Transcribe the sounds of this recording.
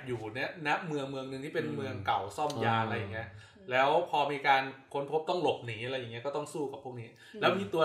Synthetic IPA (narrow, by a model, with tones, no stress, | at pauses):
juː˨˩ni˦˥ɐna˦˥ʔmɯ˧əŋmɯ˧əŋnɯ˧ŋʰiː˥˩pe˧nmɯ˧əŋka˨˩wsɔ˥˩mjaː˧a˧ɾa˧jːa˨˩ŋːi˦˥ɐ | lɛː˦˥wpʰɔː˧miː˧kaː˧nkʰo˧˥npʰo˦˥p̚t̪ɔ˥˩ŋlo˨˩p̚niː˩˦ʔa˧ɾa˧jːa˨˩ŋːi˦˥ɐkɔː˥˩t̪ɔ˥˩ŋsuː˥˩ka˨˩pʰːu˥˩niː˦˥ | lɛː˦˥wmiː˧t̪u˧ə